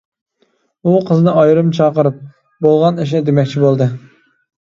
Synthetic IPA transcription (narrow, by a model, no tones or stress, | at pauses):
uqʰəzɨnɨɑjɾɨmt͡ʃʰɑːqəɾɨp̚ | bolˠʁɑniʃ̬nɪd̪emɛkʲt͡ʃʰibolˠd̪ɨ